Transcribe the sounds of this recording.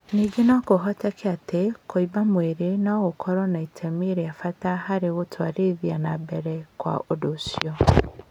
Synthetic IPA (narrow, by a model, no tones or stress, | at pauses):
niːɡenakoɦɔtɛkʰeatekʰoibamweɾenaɣokʰɔɾɔnaitʰɛmeɾeafatahaɾeɣotʰwaɾeðjanabɛɾɛkwa̰ʔodosjɔ